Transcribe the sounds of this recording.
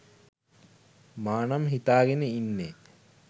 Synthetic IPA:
maːnamɦit̪aːɡenəinːe

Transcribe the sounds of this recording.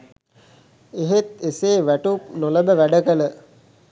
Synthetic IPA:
eɦet̪eseːʋæʈupnoləbəʋæɖəkələ

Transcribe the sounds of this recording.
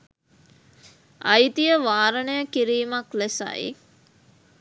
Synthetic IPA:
ajit̪ijəʋaːɾənəjəkiɾiːmaklesa̰jḭ

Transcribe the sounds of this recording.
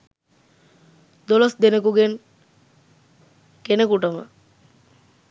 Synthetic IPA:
d̪olosd̪enəkuɡen | kenəkuʈəmə̰

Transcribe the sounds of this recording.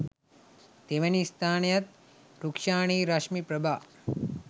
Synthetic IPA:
t̪eʋɐnist̪ʰaːɳjɐt̪ | ɾukʃaːɳ̃iːɾaʃmipɾɐbʱaː

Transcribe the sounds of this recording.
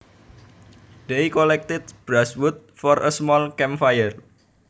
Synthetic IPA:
d̪̥eikɔlɛk̚t̪ɪt̪̚b̥ɾaswut̪̚fɔɾʔəsmɔlkɛmfajər

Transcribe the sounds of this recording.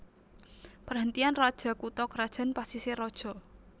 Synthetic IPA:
pərɦənt̪ianrad̥ʒ̥a̤kut̪ɔkrad̥ʒ̥a̤npasiseɾɔd̥ʒ̥ɔ̤

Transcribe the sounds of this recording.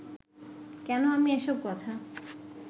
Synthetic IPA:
kɛnoamieʃob̚kɔt̪ʰa

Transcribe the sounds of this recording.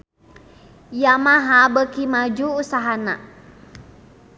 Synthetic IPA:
jamaɦabəkimad͡ʒuusaɦana̰

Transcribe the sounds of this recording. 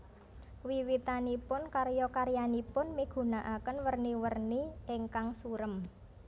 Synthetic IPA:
wiwit̪anipʊnkaɾjɔkaɾjanipʊnmiɡ̥ṳnaʔakənwərniwərniɪŋkaŋsuɾəm

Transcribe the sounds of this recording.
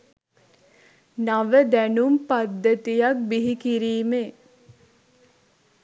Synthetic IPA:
naʋəd̪ænumpad̪ːət̪ijak̚biɦikiɾiːme

